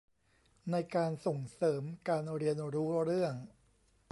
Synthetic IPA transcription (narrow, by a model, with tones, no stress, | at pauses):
na˧jkaː˧nso˨˩ŋsɤː˩˦mkaː˧nɾi˧ənɾuː˦˥ɾɯ˥˩əŋ